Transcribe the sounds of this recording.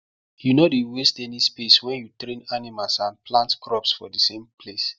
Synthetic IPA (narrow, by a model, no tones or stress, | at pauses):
junodiwestɛnispeswɛ̃njutɾẽnanimalsãnplãntkɹɔpsfɔdəsẽmples